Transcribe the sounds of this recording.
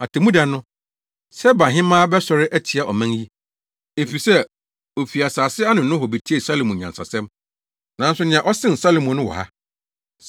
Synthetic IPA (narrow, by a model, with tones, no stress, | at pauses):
a˨tʰɪ˨mũ˦da˨nʊ̃˦ | sɛ˦bã˨ɦɪ̃˦mãː˦bɛ˦sɔ˨ɾɪ˦ʔæ˦tʰi˨a˨ʔɔ˨mæ̃˦ji˦ | e˨fi˨sɛ˦ | o˨fi˨a˨saː˨sɪ˦a˦nʊ̃˨n˦nʊ̃˦hɔ˨be˨tʰi˦e˨sa˦lo˨mɔ̃˨ɲ˨ã˨nsa̰˨sɛ̃˦m | nã˨˦n˦sʊ˦nɪ̃˨ã˨ʔɔ˦sɪ̃˦n̩˨sa˦lo˨mɔ̃˨nʊ̃˦wɔ̰˨ha̰˦